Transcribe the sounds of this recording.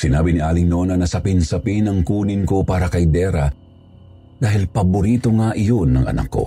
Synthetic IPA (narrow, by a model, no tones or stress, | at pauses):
sɪnaːbɪnɪʔaːlɪŋnonɐnɐsɐpɪnsɐpinɐŋkuːnɪnko̞paːɾɐkɐjd̪ɛːɾɐ | d̪aːɦɪlpɐbʊɾiːt̪o̞ŋaʔɪjonːɐŋʔɐ̰nɐ̰kːo̞̰